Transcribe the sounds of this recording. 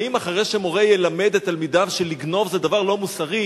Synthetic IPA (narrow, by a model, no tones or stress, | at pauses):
imaχaʁejʃemo̞ʁejelamed̪et̪almid̪avʃeliɡno̞vzed̪avaʁlo̞musaʁi